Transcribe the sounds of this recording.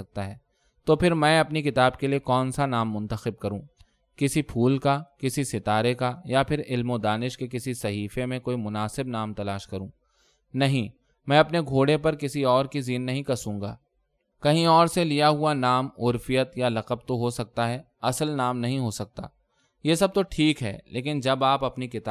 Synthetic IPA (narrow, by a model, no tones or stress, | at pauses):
ɐk̚t̪aɦɛː | t̪oːpʰɪɾmɛ̃ːɐpnikɪt̪aːbkeliekɔːnsanaːmːʊ̃nt̪əxɪb̚kɐɾũː | kɪsipʰuːlkakɪsisɪt̪aːɾekajapʰɪɾɪlmod̪aːnɪʃkekɪsisɐɦiːfemẽkoːimʊnaːsɪbnaːmt̪ɐlaːʃkɐɾũː | nɐɦĩ | mɛ̃ːɐpneɡʱoːɽepɐɾkɪsiɔːɾkiziːnːɐɦĩkɐsũːŋɡa̰ː | kɐɦĩɔːɾselijaɦuanaːmʊɾfɪjət̪jalɐqəb̚t̪oɦosɐk̚t̪aɦɛː | ɐsəlnaːmnɐɦĩɦosɐk̚t̪a̰ː | jeːsɐb̚t̪oʈʰiːkɦɛ̰ːlʔḛːk̬ɪnd͡ʒɐbaːpɐpnikɪt̪aː